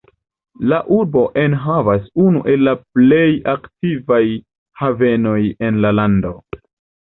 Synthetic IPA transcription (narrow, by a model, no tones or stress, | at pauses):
laʔuɾbo̞ʔenɦavasunṵʔe̞lːaple̞jaktivaj | have̞no̞je̞nlalando̞